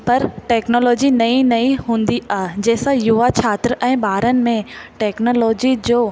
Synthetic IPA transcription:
pɐɾʈɛːknoːlɔːd͡ʑinɐĩnɐĩɦũːnd̪iaɦed͡ʑɛːsajuʋat͡ɕʰaːt̪ɾʔɛ̃ːɓaːɾənɪ̆mẽʈɛːknoːlɔːd͡ʑid͡ʑoː

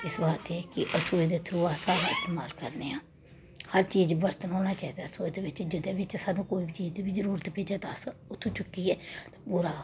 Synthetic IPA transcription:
ɪsbaːt̪ɛːkɪʔəsuːed̪eːt̪ʰəɾuːaːsaːɾaːɪst̪eːmaːlkəɾneːãː | həɾt͡ʃiːd͡ʒbəɾt̪ənɦoːnaːt͡ʃaːiːd̪aːsoːed̪eːbɪt͡ʃd͡ʒɪd̪eːbɪt͡ʃsaːd̪ũːkoːiːbit͡ʃiːd͡ʒd̪eːbiːzəɾuːɾət̪peːd͡ʒaːd̪asʊt̪ʰːt͡ʃʊkːiːɛːt̪ãːpuːɾaː

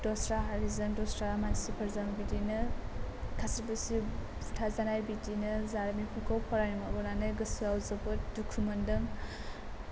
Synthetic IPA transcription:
dɔsɾaɦaɾizɐndɔstɾamansipʰɐɾzambidinɐ | kʰasiɾbɐsi | utʰazanajbidinɐzaɾmipʰukʰawpʰɔɾanimabɔnanajɡɐsuawzɐbɐdukʰumɐndɐŋ

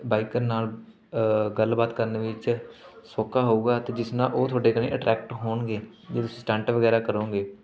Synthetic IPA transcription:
baːikəɾnaːl | ɡəlbaːt̪kəɾneːʋɪt͡ʃsoːkaːɦouːɡaːt̪eːd͡ʒɪsnãːʔoːt̪ʰʊaːɖeːkənḭ̃ːʔəʈɾʔɛːkʈɦoːɳɡeː | d͡ʒeːt̪ʊsĩːsʈɛ̃ːɳʈəʋəɡɛːɾaːkəɾõːɡeː

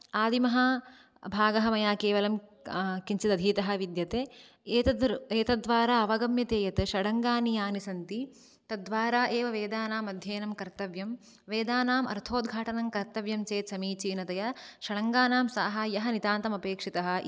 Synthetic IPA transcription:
aːd̪imɐɦɐ | bʱaːɡɐɦɐmɐjaːkeːʋɐlɐmkiɲt͡ʃid̪ɐd̪ʱiːt̪ɐɦɐ̆ʋid̪jɐt̪eː | eːt̪ɐd̪ʋaːɾaːɐʋɐɡɐmjɐt̪eːjɐt̪ɨʃɐɽɐŋɡaːnijaːnisɐnt̪i | t̪ɐd̪ʋaːɾaːʔeːʋɐʋeːd̪aːnaːmɐd̪ʱjeːnɐmkɐɾt̪ɐʋjɐm | ʋeːd̪aːnaːmʔɐ̰ɾt̪ʰoːd̪ɡʱaːʈɐnɐmkɐɾt̪ɐʋjɐmt͡ʃeːt̪sɐmiːt͡ʃiːnɐt̪ɐjɐʃɐɽɐŋɡaːnaːmsa̰ːɦaːjɐɦɐnit̪aːnt̪ɐmɐpeːkʂit̪ɐɦɐ̆

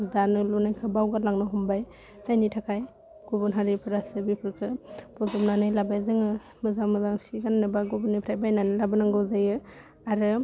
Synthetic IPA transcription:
danɯlunajkʰɯbawɡalaŋnɯɦumbaj | sajnitʰakʰaj | ɡ̥ubunɦaɾipʰɯɾasɯbipʰɯɾkʰɯpɔzɔmnanɯjlabajzɯŋɯ | mɯzamɯzasiɡannɯbaɡubunipʰɾajbajnanɯlabɯnaŋɡɯwzajɯ | aɾɯ

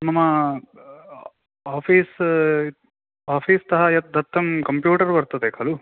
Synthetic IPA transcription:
nɐmːɐ | aːpʰiːs | aːpʰiːst̪ɐɦɐjɐd̪ɐt̪ːɐmkɐmpjuːʈɐɾbɐɾt̪ɐd̪ekɐlu

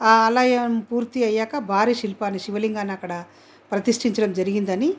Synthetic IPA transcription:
aːɐlɐjɐmpuːɾt̪iɐjːaːkɐbʱaːɾiʃilpaːniʃiʋɐliŋɡaːnɐkːɐɽɐ | pɾɐt̪iʂʈiɲt͡ʃɐɽɐmd͡ʒɐɾiɡind̪ɐni

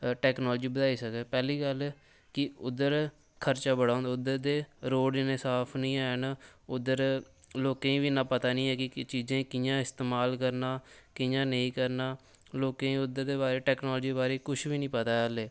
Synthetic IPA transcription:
ʈɛːknɔːld͡ʒiːbəd̪aːiːsəkɛːpɛːliːɡəl | kɪʊd̪əɾ | kʰəɾt͡ʃaːbəɽaːnd̪aːʊd̪əɾd̪eːɾoːɖɪnesaːpʰnĩːaːnʊd̪əɾ | loːkẽːĩːʋiːnãːpət̪aːnĩːɛːkɪt͡ʃiːzẽːkɪjãːɪst̪eːmaːlkəɾnaːkɪjãːnəĩːkəɾnaː | loːkẽːĩʊd̪əɾd̪eːbaːɾeːʈɛːknɔːld͡ʒiːebaːɾeːkʊʃʰʋiːnĩːpət̪aːəleː

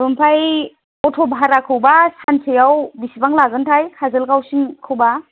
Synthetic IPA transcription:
ɾɔmpʰaj | ɔtʰɔbaɦaɾakʰɯwbasansʰejawbisibaŋlaɡɯntʰajkʰazɯlkawsiŋkʰɯwba

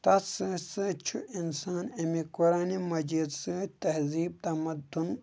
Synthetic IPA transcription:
t̪ɐsɨsɨt͡ʃʰuinsaːnemikuɾaːnimɐd͡ʒid̪sɨt̪ɐɦziːb̚t̪ɐmɐd̪un

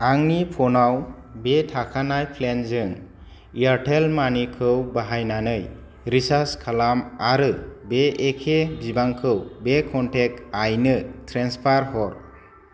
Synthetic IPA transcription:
aŋnipʰɔnaw | betʰakʰanajpʰlenzɯŋ | iaɾʈʰelmanikʰɯwbaɦajnanɯj | ɾisaskʰalamaɾɯbeːkʰebibaŋkʰɯwbekʰɔntʰek̚tajnɯtʰɾenspʰaɾhɔɾ

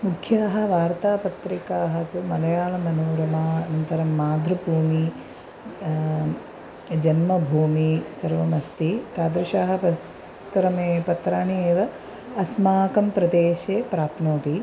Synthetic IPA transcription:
mukʰjaːɦɐ̆ʋaːɾt̪aːpɐt̪ɾikaːɦɐ̆t̪umɐlɐjaːlɐmɐnoːɾɐmaɐnɐnt̪ɐɾɐmːaːd̪ʱɾɐbʱuːmi | d͡ʒɐnmɐbʱuːmisɐɾʋɐmɐst̪it̪aːd̪ɾɪʃaːɦɐ̆pɐ | t̪ɾɐmepɐt̪ɾaːnieːʋɐː | smaːkɐmpɾɐd̪eːʃeːpɾaːpnoːt̪i

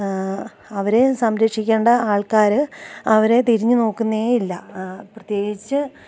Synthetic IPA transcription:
ɐʋɐɾe̞sɐmɾɐkʂikʲːeːɳɖɐaːɭkaːɾɨɐʋɐɾe̞t̪iɾiɲːɨno̞ːkːunːeeilːɐprɐt̪je̞ːɡit͡ɕːɨ

